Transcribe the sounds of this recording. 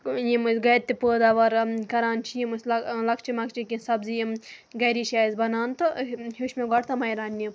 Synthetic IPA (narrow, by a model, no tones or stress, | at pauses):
jimɡɐjɾʲt̪ipoːd̪ɐʋɐɾkɐɾaːnt͡ʃʰijimuslɐlɐkt͡ʃimɐkt͡ʃikʲĩsɐbzijim | ɡɐɾiʃaːizbɐnaːnt̪ohuʃmeɡɐɽt̪ɐmɐjɾaːnːim